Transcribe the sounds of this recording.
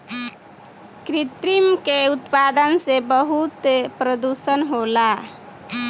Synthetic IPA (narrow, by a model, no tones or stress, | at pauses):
kɾit̪ɾimkeut̪pad̪ənsebəɦut̪pɾəd̪usənɦola